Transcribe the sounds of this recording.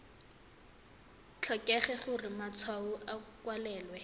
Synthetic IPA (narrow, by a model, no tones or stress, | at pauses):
t͡ɬʰɔkʼɛχɛχʊrɪmat͡sʰwauʔakwalɛːlwɛ